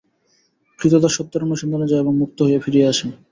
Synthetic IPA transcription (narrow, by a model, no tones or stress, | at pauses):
kɾit̪ot̪aɾʃɔt̪ːoɾomoʃind̪onod͡ʑaeboŋmuk̚t̪oɦojefiɾijeaʃe